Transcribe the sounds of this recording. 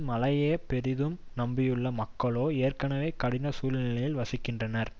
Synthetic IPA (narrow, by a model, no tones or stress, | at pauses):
mɐlɐjeːpɛɾɪðɯmnɐmbɪjɯɭːɐmɐkːɐɭoːeːrkɐnɐʋeːkɐɽɪnɐsuːlnɪlɐjɪlʋɐsɪkːɪndrɐnɐɾ